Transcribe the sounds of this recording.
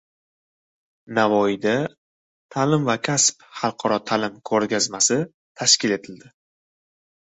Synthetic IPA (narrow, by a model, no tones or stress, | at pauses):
navɒɪd̪a | t̪ʰalɪmvakʲʰaspχɑlˠqʰɒɾɒt̪ʰalɪmkʰɵɾɡʲazmasɪ | t̪ʰaʃkʲɪle̞t̪ʰɪld̪ɪ